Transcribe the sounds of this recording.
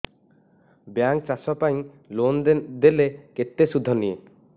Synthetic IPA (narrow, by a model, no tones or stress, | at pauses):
bjaŋk̚t͡ʃasɔpaj̃ | lond̪eleket̪ːesud̪ʱːɔnije